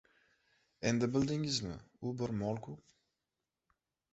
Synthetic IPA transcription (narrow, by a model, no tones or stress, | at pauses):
ɛnd̪əbɪld̪ɪŋɪznə̰ubəɾmɔlku